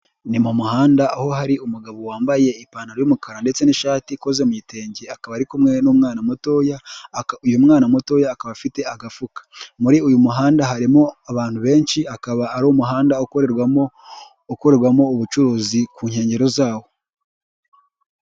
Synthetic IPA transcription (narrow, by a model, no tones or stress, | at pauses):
nimumuhaːndaːho̞haɾiumuɡaβo̞waːmbaje̞ipaːnaɾojomukaɾande̞t͡se̞niʃaːtiko̞ze̞muite̞ːɲɟeakaβaɾikumŋe̞numŋaːnamuto̞ːjaujumŋaːnamuto̞ːjaːkaβafite̞aɡafukḁmuɾiujumuɦaːndaɦaɾimo̞aβaːn̥huβe̞ːnʃiakaβaːɾomuɦaːndaokoɾeo | okoɾe̞ɾɡwamo̞uβut͡ʃuɾuːzikuːɲhe̞ːɲɟe̞ɾo̞zaːwo̞